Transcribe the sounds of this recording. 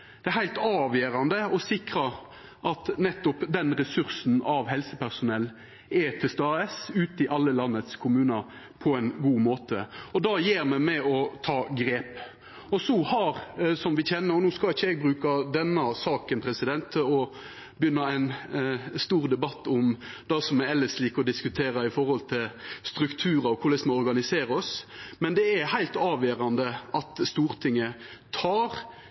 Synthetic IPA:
d̪̥ɛæhæɪlt̪ɑːʋjøːɾɑnd̪əɔsɪkɾɑ | ʔɑt̪nɛt̪ːɔpd̪ɛnɾɛsʉɾsn̩ɑʋhɛlsəpæʁsʊnɛlː | ɛt̪ʰɛst̪ɑːɛsʉːt̪ɪʔɑlːəlɑnːət̪skʰʊmʉːnɑ | pʰɔɛɪnɡuːmoːt̪ʰəɔd̪ɑjeːɾmɛmɛɔt̪ʰɑːɡɾeːp | ɔsɔhɑɾsɔmʋɪçɛnːəɾɔnuːskɑlɪçːəɛɡ̚bʁʉːkɑd̪ɛnːɑsɑːkənpʰɾɛsɪd̪ɛnt̪ʰːɔ | bəjʏnːɑæɪnst̪uːɾd̪ɛbɑt̪ːʊmd̪ɑsɔmːæɛlːəsliːkɔd̪ɪskʉt̪ʰeːɾɑɪfɔɾhɔlt̪ʰɪlst̪ɾʉkt̪ʰʉːɾɑɔkʰʊʁlɛsmɔɔɾɡɑnɪseːɾɔsmɛnd̪ɛæhæɪlt̪ɑːʋjøːɾɑnd̪əʔɑt̪st̪uːʁt̪ʰɪŋːə | t̪ʰɑːɾ

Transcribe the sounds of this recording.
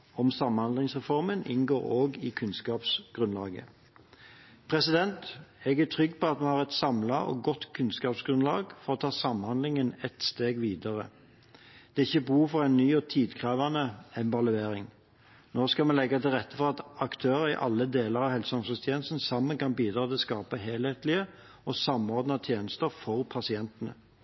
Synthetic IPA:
ɔmsɑmhɑnd̪lɪŋsʁɛfɔʁmənɪ̰nɡoːɾoːɡɪkʰʉnskɑːpsɡ̥ʁʉnlɑ̰ːɡə̰ | pʰɾɛsɪd̪ɛnt̪ɛɡæt̪ʰʁʏɡːpɔɑt̪mɛhɑʁɛt̪sɑmlɑɔ̰ːɡɔt̪ːkʰʉnskɑːpsɡɾʉnlɑ̰ːɡfɔɾɔt̪ʰɑːsɑmhɑnd̪lɪŋənɛt̪st̪eːɡʋiːd̪ɑʁə̰ | d̪̥ɛːɪçːəbuːfɔʁæɪnnyːɔt̪ʰiːd̪kʰʁɑːʋɑnəɛmʋɑlʉeːɾɪŋ | noːskɑmɛlɛɡːɑt̪ɪlʁɛt̪ːəfɔʁɑt̪ɑkt̪ʰøːɾəɾɪ̰ʔɑ̰lːəd̪eːləɾɑʋhɛlsɑmsəst̪ʰjeːnəst̪n̩sɑmːənkɑnbiːd̪ɾɑːt̪ɪlskɑːpəɦeːlheːt̪lɪə | ɔsɑmɔʁd̪nɑt̪ʰjeːnəst̪əfɔʁpʰɑsɪɛnt̪ənə̰

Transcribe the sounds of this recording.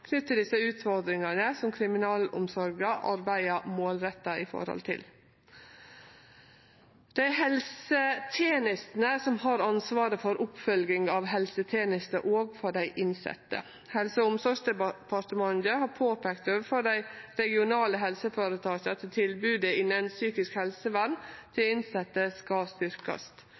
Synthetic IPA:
kʰnʏt̪ːəɖ̪ɪsəʉːt̪fɔɾd̪ɾɪŋɑnəsɔmkʰɾɪmɪnɑːlʊ̰msɔɾɡəʔɑ̰ɾbæɪɑmoːlɾɛt̪ːɑɪfɔ̰ɾhɔ̰lt̪ʰɪ̰l | d̪̥æɪhɛlsət̪ʰeːnɪst̪n̩əsɔmhɑːɾɑnsʋɑːɾəfɔɾʊpfœlɡɪŋɑːʋɦɛlsət̪ʰeːnɪst̪əʔoːɡfɔɖæɪʔɪnsɛ̰t̪ːə̰ | hɛlsəʊmsɔʂd̪ɛpʰɑʈ̪əmɑnd̪əhɑːɾpʰoːpʰeːkt̪øːʋəfɔɖæɪɾɛɡɪʊnɑːləɦɛlsəfoːɾət̪ʰɑːɕɑt̪ʰɪlt̪ʰɪlbʉːd̪əɪnːənsyːkɪskhɛlsəʋænt̪ʰɪlɪnsɛt̪ːəskɑst̪ʏɾkɑ̰st̪

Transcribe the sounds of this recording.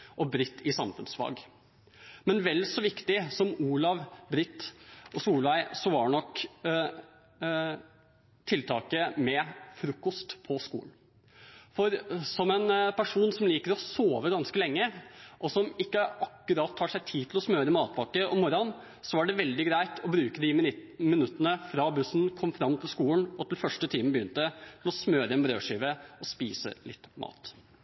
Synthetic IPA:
ʔɔbɾɪt̪ːɪsɑmfʉ̰nsfɑ̰ːɡ | mɛnʋɛlːsɔʋɪkt̪ɪsɔmuːlɑʋbɾɪt̪ːʔɔsuːlʋæɪsɔʋɑɳɔk | t̪ʰɪlt̪ʰɑːkəmɛfɾʉːkːɔst̪pʰɔskṵːln̩ | fɔɾsɔmɛnpʰæʂuːnsɔmliːkəɾɔsoːʋəɡɑnskəlɛŋːəʔɔsɔmɪkːəʔɑkːʉɾɑt̪ʰːɑːʂæɪt̪ʰiːt̪ʰɪlɔsmøːɾəmɑːt̪̚bɑkːəʔɔmɔɾɑn | sɔæɖɛʋɛld̪ɪɡɾæɪt̪ʰɔbɾʉːkəd̪ɪmɪnʉt̪ːənəfɾɑbʉsnkʰɔmːfɾɑmːt̪ʰɪlskuːənɔt̪ʰɪlfœʂʈət̪ʰiːmənbəjʏnt̪ət̪ʰɪlɔsmøːɾəɛnbɾø̰ːʂiːʋəɔspiːsə̰lɪt̪ːmʔɑ̰ːt̪

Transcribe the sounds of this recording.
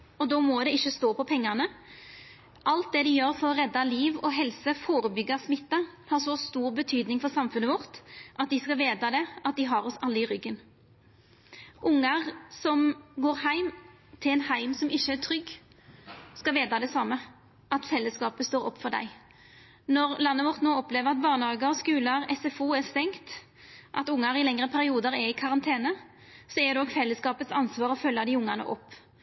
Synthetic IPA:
ɔd̪ɔːmɔd̪ɛɪçːəst̪oːpʰɔpʰɛŋːənə | ʔɑlt̪̚d̪ɛd̪ɪjøːɾfɔɾɔʁɛd̪ːɑliːʋɔɦɛlsəfoːɾəbʏɡːəsmɪt̪ːəhɑɾsɔst̪uːɾbət̪ʰyːd̪nɪŋfɔɾsɑmfʉnəʋɔʁt̪ʔɑt̪̚d̪ɪskɑʋeːd̪ɑd̪ɛʔɑt̪̚d̪ɪɦɑɾɔsɑlːəɪʁʏɡːən | ʔʊŋːəʁsɔmɡoːɾɦæɪm | t̪ʰɪlɛːnhæɪmsɔmɪçːəæt̪ʰɾʏɡ | skɑʋeːd̪ɑd̪ɛsɑmːə | ʔɑt̪sɛlːəskɑːpəst̪oːɾɔ̰pːfɔd̪æ̰ɪ | nɔʁlɑnːəʋɔʁt̪noːɔpleːʋəʁɑt̪̚bɑːʁnəhɑːɡəɔskʉːləʁɛsɛfuːɛʁst̪ɛŋkt̪ | ʔɑt̪ʊŋːɑɾɪlɛŋɾəpʰæɾɪuːd̪əɾɛɪkʰɑʁɑnt̪ʰeːnə | sɔɛd̪ɔɡfɛlːəskɑːpət̪sɑnsʋɑːɾɔfœlːəd̪ɪʊŋːɑnə̰ʔɔpː

